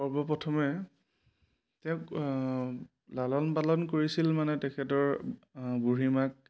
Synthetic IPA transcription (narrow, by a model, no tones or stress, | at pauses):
ɔɹbɔpɹɔtʰɔmɛ | tɛʊk | lalɔnpalɔnkoɹisilmanɛtɛkʰɛtɔɹbuɹimak̚